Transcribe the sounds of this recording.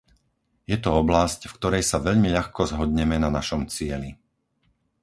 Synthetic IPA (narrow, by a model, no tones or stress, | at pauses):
jɛt̪ɔɔblascfkt̪ɔɾɛjsaʋɛʎmiʎaxkɔzɦɔd̪ɲɛmɛnanaʃɔmt͡sɪɛli